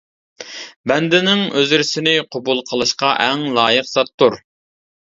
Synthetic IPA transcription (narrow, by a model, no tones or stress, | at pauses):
bɛnd̪ɪnɪŋøzɪɾsɪnɪqʰobulˠqʰəlˠɨʃqɑʔɛŋlˠɑːjəqsɑt̪ːuɾ